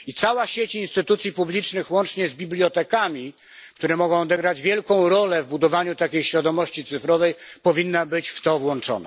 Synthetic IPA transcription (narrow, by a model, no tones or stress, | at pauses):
it̪sawaɕet͡ɕinst̪ɘt̪ut̪sʲjipublʲit͡ʂnɘxwɔnt͡ʂɲɛzbʲiblʲjɔt̪ɛkamʲi | kt̪uɾɛmɔɡɔ̃w̃ɔd̪ɛɡɾad͡ʑvʲjɛlkɔ̃w̃ɾɔlɛvbud̪ɔvaɲut̪akʲejɕfʲjad̪ɔmɔɕt͡ɕit̪sɘfɾɔvɛjpɔvʲinːabɘt͡ɕft̪ɔvwɔnt͡ʂɔ̰na̰